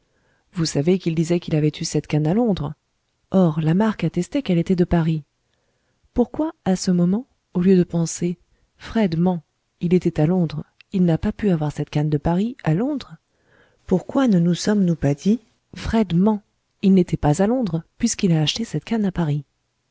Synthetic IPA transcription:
vusavekild̪izɛkilavɛt̪ʰysɛt̪kanalɔ̃d̪ʁ | ɔʁlamaʁkat̪ɛst̪ɛkɛlet̪ɛd̪əpaʁi | puʁkwaːsəmɔmɑ̃ | oljød̪əpɑ̃se | fχɛd̪mɑ̃ | ilet̪ɛt̪alɔ̃d̪ʁilnapapyavwaʁsɛt̪kand̪əpaʁialɔ̃d̪ʁ | puʁkwanənusɔmnupad̪i | fχɛd̪mɑ̃ | ilnet̪ɛpazalɔ̃d̪ʁpɥiskilaːʃt̪esɛt̪kanapaʁi

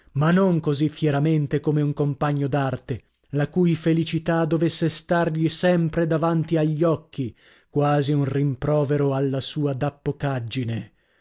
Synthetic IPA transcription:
manːoŋkozifjɛɾament̪ekomeuŋkompaɲːod̪art̪e | lakujfelit͡ʃit̪ad̪ovesːest̪arʎisɛmpɾed̪avant̪iaʎːɔkʰːi | kwaːziunrimpɾɔːveɾoalːasuːad̪apːokad͡ʒːine

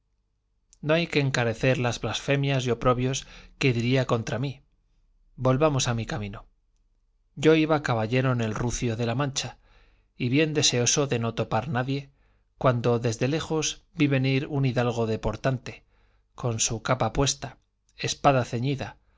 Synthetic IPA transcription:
no̞ajke̞ːŋkaɾe̞θe̞ɾlazβlasfe̞mjazjo̞pɾo̞βjo̞ske̞ðiɾiako̞nt̪ɾami | bo̞lβamo̞samikamĩno | ɟ͡ʝo̞iβakaβaʎe̞ɾo̞ne̞lruθjo̞ðe̞lamãnt͡ʃa | iβje̞nd̪e̞se̞o̞so̞ðe̞no̞t̪o̞paɾnaðje̞ | kwand̪o̞ðe̞zðe̞le̞xo̞zbiβe̞niɾuniðalɣ̞o̞ðe̞po̞ɾt̪ant̪e̞̥ | ko̞nsukapapwe̞st̪a | espaðaθe̞ɲiða

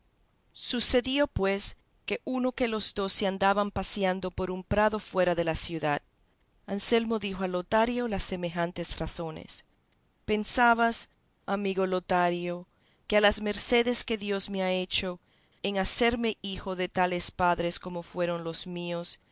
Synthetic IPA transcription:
suse̞ðio̞pwe̞s | ke̞ʔuno̞ke̞lo̞zd̪o̞seand̪aβampasjand̪o̞po̞ɾumpɾaðo̞fwe̞ɾaðe̞lasjuðað | anse̞lmo̞ðixo̞alo̞t̪aɾjo̞lasːe̞me̞xant̪e̞sraso̞nḛs | pe̞nsaβas | amiɣo̞lo̞t̪aɾjo | kealasme̞ɾse̞ðe̞ske̞ðjo̞zmeae̞t͡ʃo̞ | eŋase̞ɾme̞ixo̞ðe̞t̪ale̞spaðɾe̞sko̞mo̞fwe̞ɾo̞nlo̞zmio̞s

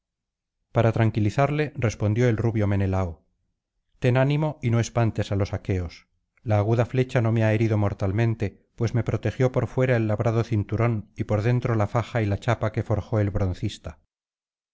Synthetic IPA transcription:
paɾat̪ɾaŋkiliθaɾle̞re̞spo̞nd̪jo̞elruβjo̞me̞nelao | t̪e̞nanimo̞ino̞e̞spant̪e̞salo̞sake̞o̞s | laːɣuðafle̞t͡ʃano̞meae̞ɾiðo̞mo̞ɾt̪almẽnt̪e̞ | pwe̞sme̞pɾo̞t̪e̞xjo̞po̞ɾfwe̞ɾae̞lːaβɾað̞o̞θint̪uɾo̞nipo̞ɾðe̞nt̪ɾo̞lafaxailat͡ʃapake̞fo̞ɾxo̞e̞lβɾo̞n̟θist̪a

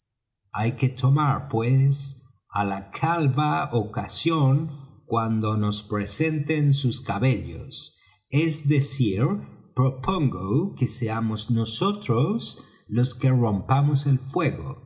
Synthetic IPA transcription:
ajket̪ʰomaɾpwes | alakʰalβaokasjoŋkwand̪o̞nospɾesent̪ensuskaβeʎo̰s | ezðesiɾpɾopʰoŋɡokeseamoznosot̪ɾos | lo̞skerompamoselfweɣo̰

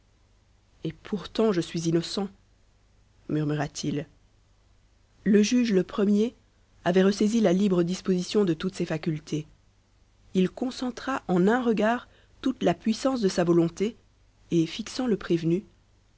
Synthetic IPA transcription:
epʰuʁt̪ɑ̃ʒəsɥizinɔsɑ̃ | myʁmyʁat̪ʰil | ləʒyʒləpχəmje | avɛʁəsezilalibʁəd̪ispozisjɔ̃d̪ət̪ut̪sɛfakʲylt̪ʰe | ilkɔ̃sɑ̃t̪χaʔɑ̃nɛ̃ʁəɡaːʁ | t̪ut̪lapɥisɑ̃s̬d̪əsavɔlɔ̃t̪e | efiksɑ̃ləpχevny

